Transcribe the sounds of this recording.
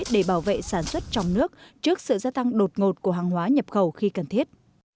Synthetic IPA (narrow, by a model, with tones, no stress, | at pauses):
ɗe˧˩ɓaː˧˩wvḛ˧˨saː˧˩nswə˦˥t̚t͡ɕɔ˧wŋ͡mnɨ˦˥ək̚t͡ɕɨ˦˥ək̚sɨ̰˧˨zaː˧t̪a˧ŋɗo˨˩t̚ŋo˨˩t̚ku˧˩əɦaː˨˩ŋɦwaː˨˦ɲə˨˩p̚xə˨˧˩wxi˧kə˨˩nt̪ʰi˦˥ət̚